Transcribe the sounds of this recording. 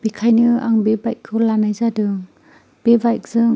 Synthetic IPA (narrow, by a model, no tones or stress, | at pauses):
b̥ikʰajnɯa̰ŋbebaj̚kʰːɯlanajzadɯŋ | b̥ebajk̚z̥ɯŋ